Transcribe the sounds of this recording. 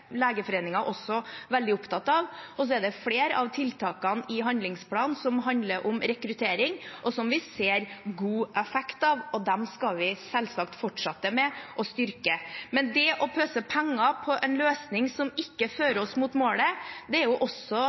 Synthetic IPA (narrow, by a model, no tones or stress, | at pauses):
leːɡəfɔɾeːnɪŋɑʔɔsɔʋɛld̪ɪʊpt̪ʰɑt̪ːɑːʋɔs̬ɔɛɖ̪ɛfleːɾɑ̰ʋt̪ʰɪlt̪ʰɑːkɑnɪɦɑnd̪lɪŋspʰlɑːnsɔmɦɑnd̪ləɾʔʊmɾɛkɾʉt̪ʰeːɾɪŋʔɔsɔmʋɪseːɾɡuːʔɛfɛkt̪ɑːʋɔd̪ɛmskɑlʋɪsɛlsɑːk̚t̪fɔʈʂɑt̪ːəmɛʔɔst̪ʏɾkəmɛnd̪ɛʔɔpʰøːsəpʰɛŋːɑpʰɔʔɛnløːsnɪŋsɔmɪkːəføːɾɔsmut̪moːləd̪ɛæɾjʊʔɔsːɔ